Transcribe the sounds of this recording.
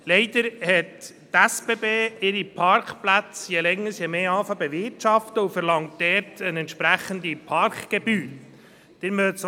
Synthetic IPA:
lɛɪd̥əɾhɛt | tæsb̥eːbeːɪɾipʰɑɾkχplæt͡sjɛlɛŋːəɾsjɛmeːɑːfɑbɛʋɪtʃɑftəufɛɾlɑŋt̚dɛːɾtʰənɛntʃpɾæχəndipʰɑrkɡ̥ɛbyːl | d̥ɪɾmøt͡s

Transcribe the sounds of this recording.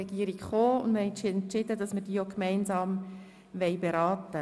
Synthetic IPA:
ɛɡ̥iəɾikχoːʊndməhɛɪnɛntt͡ʃɪdədɑsməɾd̥iːəokmɛɪnsɑːm | ʋɛɪbeɾɑːt̪ə

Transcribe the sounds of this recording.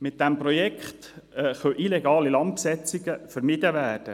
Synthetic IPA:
mɪt̪̚d̥æmprɔjɛkχt̪ːχœʔilɛɡɑːlilɑnt̪̚psɛt͡siɡəfəɾmɪd̥̪əʋæːrd̥ə

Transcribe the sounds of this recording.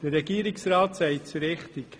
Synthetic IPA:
d̥ərɛɡiːəɾɪksɾɑːtsɛɪt͡suɾɪχtɪk

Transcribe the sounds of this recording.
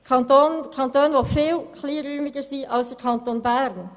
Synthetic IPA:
kʰɑntoːnkʰɑntoːnʋofiːlkʰliːɾyːmɪɡəsiːɑlsd̥ɛkʰɑnt̪oːnbɛɾn

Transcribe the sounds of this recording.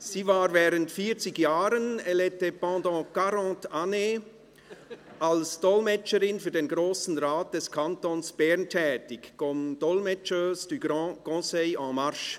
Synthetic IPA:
siːvaːʁvɛːʁəntfiːɐt͡sɪçjaːɾənɛlɛtepɑ̃ːdɑ̃ːkaɾɑ̃ːtane | alsd̥ɔlmɛt͡ʃəɾɪnfyːɐdenɡʁoːsn̩ʁaːt̚d̥ɛskʰantonsb̥ɛʁntʰɛːtɪçkɔmd̥ɔlmɛt͡ʃəsd̥yɑɡ̥ɔ̃sɛɪɑ̃maɾʃ

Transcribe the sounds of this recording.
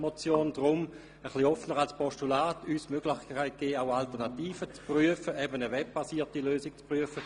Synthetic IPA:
mɔt͡sjoːndʁʊm | əχliɔfnəʁalspɔʃtulaːtyːsmøɡlɪχkʰaɪt̚ɡ̥eːaʊaltəʁnatiːfət͡spʁyəfəɛbənəʋɛb̚b̥asiːɐtiløːsik̚t͡spʁyəfə

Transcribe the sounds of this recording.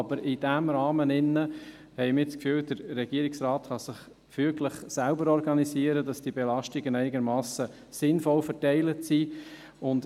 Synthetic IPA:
ɑb̥əɾɪd̥æmɾɑːmənɪnːə | hɛɪjmɪt͡skfyːwd̥əɾːɛɡ̥iəɾiksɾaːt̪χɑsɪχ | fyəɡləχsælbəɾɔɾɡɑnisiəɾədɑsd̥ibɛlɑʃtiɡəɪnæɪnɪɡəɾmɑːsə | sɪnfɔlfəɾtɛɪlətsiʊnd

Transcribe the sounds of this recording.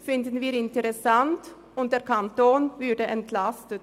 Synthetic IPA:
fɪnd̪ən̩viːɾɪnt̪əɾɛsɑnt̪ | ʊnt̚d̥̪eːɾkʰɑnt̪oːnvʉɖəʔɛnt̪ʰlɑst̪ət̪

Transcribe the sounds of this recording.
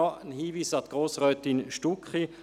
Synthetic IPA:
ɔənhiːviːsat̪ɡ̥ʁoːsʁœːt̪ɪnʃtukχi

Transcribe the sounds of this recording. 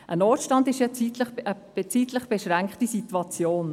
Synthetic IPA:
ʔənɔːtʃtɑndɪʃjɑt͡sitləχəb̥et͡siːtləχb̥ɛʃɾæŋkχtisitwɑt͡sjoːn

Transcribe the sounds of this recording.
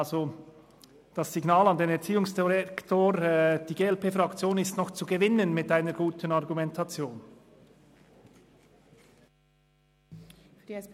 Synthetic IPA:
zo | d̥ɑsːiɡnaːlɑndeːnɛɐt͡siːʊŋsd̥iʁɛktʰoːɾd̥iːɡeːɛlpeːfrɑkt͡sjoːnɪstnɔχt͡suɡəvɪnənmɪtaɪnəɾɡ̥uːtənɑʁɡumɛntʰɑt͡sjoːn

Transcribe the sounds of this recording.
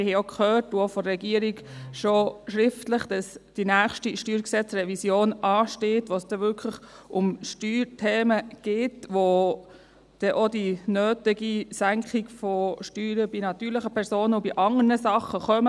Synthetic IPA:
ɪhɛokχøːɾtuofɔɾɛɡiəɾiɡʃoʃɾɪftləχd̥ɑsd̥inæːχʃtiʃtyːɾksɛt͡srɛvisjoːnɑːʃteːtʋosd̥ɛʋʏkʰləχʊmʃtyːɾtʰeːməɡ̥ɪːtʋo | d̥ɛʔodinøːtɪɡisæŋkχiɡ̥fɔʃtyːɾəbinɑt̪yːɾləχəpʰɛɾsoːnəubiʔɑŋənəsɑχəχœmə

